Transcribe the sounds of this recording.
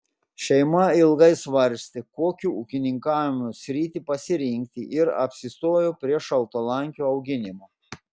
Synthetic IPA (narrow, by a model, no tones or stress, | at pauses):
ʃʲɛɪmɐɪlˠɡɐɪsʋɐɾʲsʲt̪ʲekoːkʲuːʊkʲɪnʲɪŋkɑːʋʲɪmusʲɾʲiːt̪ʲipɐsʲɪɾʲɪŋʲk̚ʲt̪ʲiʔɪɾɐ̰pʲsʲɪst̪oːjoːpʲɾʲiɛʃɐlˠt̪oːlˠɐŋʲkʲoːɒʊɡʲɪnʲɪmoː